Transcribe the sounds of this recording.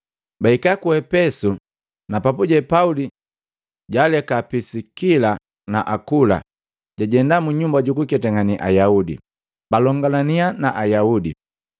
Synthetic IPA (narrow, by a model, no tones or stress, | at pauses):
baikakuɛpɛsu | napapuɟɛpauli | ɟalɛkapisikila | na̰ʔakula̰ | ɟaɟɛndamuɲumbaɟukukɛtaŋaniʔa̰jaudḭ | balɔŋɡalanianaʔajaudḭ